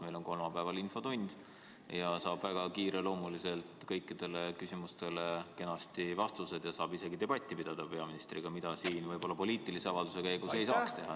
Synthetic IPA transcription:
me̞jlo̞nko̞lmɑpæevɑlinfo̞t̪unʲd̪̥ | jɑsɑːb̥væɡ̥ɑkiːɾe̞lo̞ːmulise̞lt̪kɤjkːid̪̥e̞le̞kysimust̪e̞le̞ke̞nɑst̪ivɑst̪use̞d̪̥jɑsɑːbise̞ɡid̪̥e̞b̥ɑt̪ʲːˑipid̪̥ɑd̪̥ɑpe̞ɑminist̪rḭɡ̥ɑmid̪̥ɑsiːnvɤjb̥o̞lːɑpo̞liːt̪ilise̞ɑvɑld̪use̞kæjɡ̥use̞jsɑːkst̪e̞ɦɑ

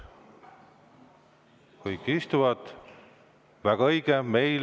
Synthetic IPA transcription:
kɯjkːist̪uvɑt̪ | væɡ̥ɑɤjɡ̥eme̞jl

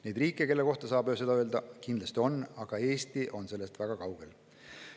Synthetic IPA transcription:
ne̞jd̪riːkːˑekelːe̞ko̞ht̪ɑsɑːb̥øːsed̪ɑøld̪ɑkind̪lɑst̪io̞nɑɡ̥ɑe̞ːst̪iʔo̞nse̞lːe̞st̪væɡ̥ɑkɑwɡ̥e̞l

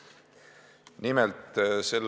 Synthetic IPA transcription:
nimɛlt̪se̞lː

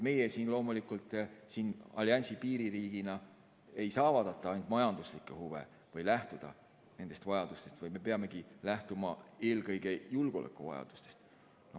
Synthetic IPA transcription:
t̪me̞jesiːnlo̞ːmulikult̪ˑsiːnɑ̰liɑnʲsipiːɾiɾiːɡ̥inɑ | e̞jsɑːvɑd̪ɑt̪ːˑɑɑjnd̪mɑjɑnd̪̥uslikːˑehuve̞̰ | vɤjlæht̪ud̪̥ɑ̰ | ne̞nd̪est̪vɑjɑd̪̥ust̪e̞st̪vɤjme̞pe̞ɑme̞ɡ̥ilæht̪umɑe̞ːlɡɤjɡ̥e̞julɡ̥olʔḛkːˑuvɑ̰jɑ̰d̪̥u̥st̪e̞̥st̪ | no

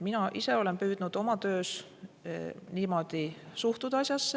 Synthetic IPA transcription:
minɑʔise̞o̞le̞npyːd̪̥nud̪̥o̞mɑt̪ø̞ːs | niːmo̞d̪̥isuht̪ud̪̥ɑsʲjɑsːe

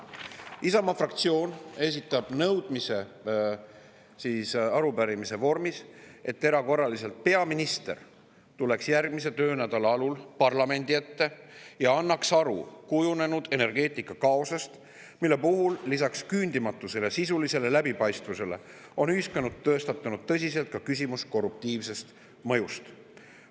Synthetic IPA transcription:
isɑmɑfrɑkt̪sio̞ːne̞sit̪ːˑɑb̥nɤwd̪̥mise̞ | siːsɑɾupæɾimise̞vo̞rmisʔe̞t̪ːe̞ɾɑko̞rːɑlise̞lt̪̚pe̞ɑminist̪e̞r | t̪ule̞ksjærɡ̥mise̞t̪ø̞ːnæd̪ɑlɑɑlulpɑrlɑme̞nd̪iet̪ːe̞jɑɑnːɑksɑɾṵkujune̞nud̪̥e̞ne̞rɡ̥e̞ːt̪ˑikːˑɑkɑosɑst̪ | milːe̞puɦulːisɑkskynʲd̪̥imɑt̪ːˑuse̞le̞sisulise̞le̞læbipɑjst̪vuse̞le̞̰ | o̞nyːskɑnud̪̥̚t̪ːøːst̪ɑt̪ːˑunud̪̥̚t̪ːɤ̞s̬ʲiselt̪̚kɑkys̬ʲimusko̞rːup̚t̪iːvse̞st̪ | mɤ̞just̪

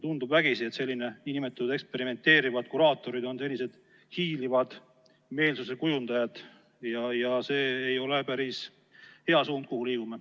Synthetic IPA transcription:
t̪und̪ubvæɡ̥isiet̪se̞lʲːine̞inʲimet̪ːˑud̪̥ekspe̞ɾime̞nt̪ːe̞ːɾivɑd̪̥̚kuɾɑːt̪ːˑo̞ɾid̪o̞nse̞lʲːise̞d̪̥ | hiːlivɑd̪̥ | me̞ːlsuse̞kujund̪̥ɑjɑd̪̥ | jɑjɑse̞ːejo̞le̞pæɾis | he̞ɑsuːnd̪̚kuhuliːɡume

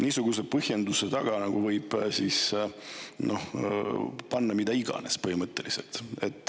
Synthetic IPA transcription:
niːsuɡ̥us̬epɤhje̞nd̪use̞t̪ɑɡ̥ɑnɑɡ̥uvɤjb̥sis | nʔo̞̰h | pɑnːɑmid̪̥ɑiɡ̥ɑ̰ne̞̰spɤhimɤt̪ˑːe̞lise̞̰lt̪e̞t̪ːˑ

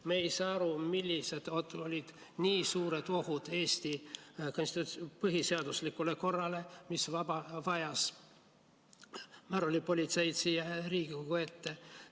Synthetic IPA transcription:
meejsɑːɑɾumilʲːise̞d̪̥ot̪ːuolʲid̪̥ | niːsuːɾed̪̥o̞hud̪̥e̞ːst̪ikonsʲt̪it̪pɯɦise̞ɑd̪uslikːuleko̞rːɑle̞misvɑbɑvɑjɑs | mæɾolʲipo̞lʲit̪se̞jt̪sijeɾiːɡiokoe̞t̪ːe

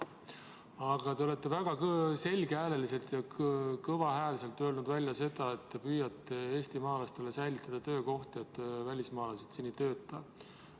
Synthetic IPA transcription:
ɑɡ̥ɑt̪e̞ole̞t̪ːe̞væɡ̥ɑkse̞lʲɡ̥eæːle̞lise̞lt̪jɑkkɤvɑɦæːlise̞lt̪ˑːø̞ːlnud̪vælʲjɑse̞d̪̥ɑe̞t̪ːepyːjɑt̪ːˑeeːst̪imɑːlɑst̪elesæjlit̪ːˑɑd̪̥ɑt̪ø̞ːko̞ht̪iet̪ːvælʲismɑːlɑsed̪̥sinːit̪ø̞ːt̪ːˑɑ

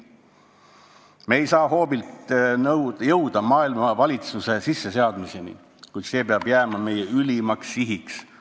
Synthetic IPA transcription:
me̞ːjsɑːɦo̞ːbilt̪njɤwd̪ɑmɑːilmɑvɑlʲit̪suse̞sisːe̞se̞ɑd̪mise̞nḭ | kujd̪̥se̞ːpeɑb̥jæːmɑme̞jeylʲimɑksiɦiks

